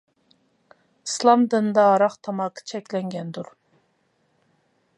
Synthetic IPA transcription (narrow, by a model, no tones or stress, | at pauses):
islˠɑmd̪ɨnd̪ɑːɾɑχt̪ʰɑmɑqʰə̥t͡ʃʰɛkʲlɛŋɡʲɛnd̪uɾ